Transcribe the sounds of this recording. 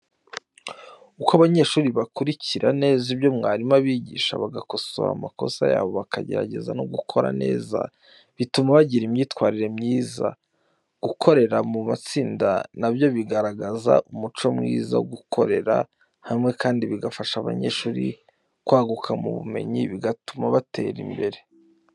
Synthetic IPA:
ukaβaɲe̞ːʃuːɾiβakuɾiciɾane̞ːzibjo̞mŋaːɾimaβiːɟḭːʃa̰βaɡako̞so̰a̰mako̞̰sa̰ja̰ːβo̞βakʰaɟe̞̰ɾa̰ɟe̞̰zanoɡukʰo̞ɾa̰ne̞̰ːza̰ | βitumaβaɟiɾimɲiːtwaːɾiɾe̞mɲiːza̰ | ɡ̥ukʰo̞ɾe̞ɾamumat͡siːnda̰nabjo̞βiɡaɾaɡaza̰ʔumut͡ʃo̞mŋḭːza̰ɡukʰo̞ɾe̞ɾa̰ | haimŋe̞kʰaːndiβiɡafaʃaβa̰ɲe̞̰ʃuːɾḭ | kwaːɡukʰamṵβṵme̞̰ɲiβiɡatumaβatʰe̞̰ːɾḭmbe̞ɾe̞

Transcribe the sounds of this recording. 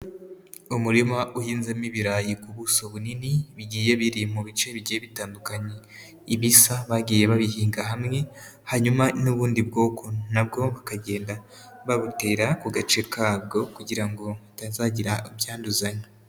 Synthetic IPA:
umuɾimaʔuhiːnzemiβiɾaːjikuβusoβuniniβiɟiːje̞βiɾimuβit͡ʃe̞βiɟijeβitaːndukaɲe | iβisaβaɡiːje̞βaβiɦiːŋɡaɦamŋe̞haɲumanuβuːndibɡo̞ːkʰo̞nabɡo̞βakaɟe̞ːnda | βaβute̞ːɾakuɡat͡ʃe̞kʰaːbɡo̞kuɟiɾaŋɡo̞atazaːɟiɾaibjaːnduzaɲe

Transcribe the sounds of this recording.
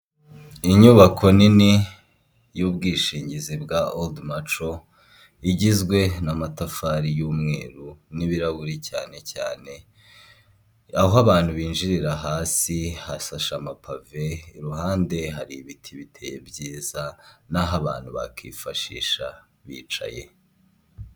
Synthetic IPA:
iɲuβakʰo̞nini | juːbɡiːʃiːɲɟizibɡaʔoldmat͡ʃo | iɟizɡwe̞namatafaɾijuːmŋe̞̰ːɾuniβiɾaɡuɾica̰ːne̞ca̰ːne̞ | aɦoaβaːn̥huβiːnʒiɾiɾaɦaːsihasaʃamapʰave̞iɾuɦaːnde̞ɦaɾiβitʰiβitʰe̞jebɟiːzanaɦaβa̰ːn̥huβa̰kʰiːfaʃḭːʃa̰ | βḭːt͡ʃa̰je̞̰

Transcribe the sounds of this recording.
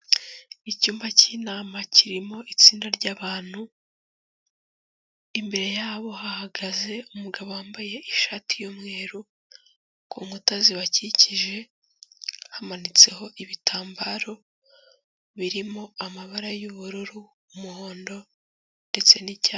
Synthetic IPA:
icuːmbaciːnaːmaciɾimo̞ʔit͡siːndaɾɟaːβaːn̥hu | imbe̞ɾe̞jaːβo̞hahaɡaze̞umuɡaβo̞waːmbaje̞ʔiʃaːtijomŋe̞ːɾu | kʰoŋutaziβaciciʒe̞ | hamanit͡se̞ho̞ʔiβitʰaːmbaːɾo̞ | βiɾimo̞amaβaɾajuβuɾuɾuː | muho̞ːndo̞ | nde̞t͡se̞nicaː

